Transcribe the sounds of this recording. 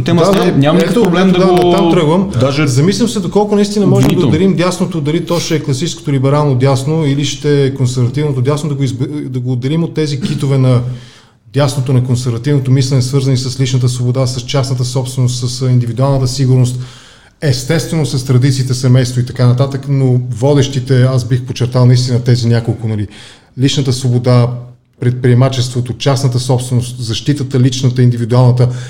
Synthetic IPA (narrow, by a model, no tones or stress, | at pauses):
t̪ɛmɲʲamɛkət̪blɛmd̪d̪aot̪amt̪ɾɤɡvəmd̪aʒɛzɐmislʲɐmsɛd̪okɔlˠkʊnɐist̪inɐmɔʒɛmd̪d̪ɛɾimd̪jasnot̪od̪ɐlit̪ɔʃɛɛklˠɐsit͡ʃɛ̥sko̥t̪olibɛɾalˠnod̪jasnoiliʃt̪ɛkonsɛɾvɐt̪ivnot̪od̪ʲjasnod̪ɐɡoizd̪ɐɡoːd̪d̪ɛlimot̪ːɛzikit̪ovɛnɐ | d̪ʲjasnot̪onɐkonsɛɾvɐt̪ivnot̪omislɛnɛsvɤɾzɐnisəslit͡ʃnət̪̬əsvobod̪asɐst͡ʃasnət̪əsɔpst̪vɛnost̪səsind̪ivid̪ualˠnət̪əsiɡʊɾnost̪ | ɛst̪ɛst̪vɛnosɐst̪ɾɐd̪it̪siːt̪ɛsɛmɛjst̪voit̪ɐkanɐt̪at̪əknovɔd̪ɛʃt̪it̪ɛazbixpot͡ʃɛɾt̪alˠnɐist̪inət̪ɛzinʲakolˠkʊnɐli | lit͡ʃnət̪əsvobod̪a | pɾɛt̪̚pɾiɛmat͡ʃɛst̪vot̪ot͡ʃasnət̪əsɔpst̪vɛnost̪zɐʃt̪it̪ət̪əlit͡ʃnət̪əind̪ivid̪ualˠnət̪ə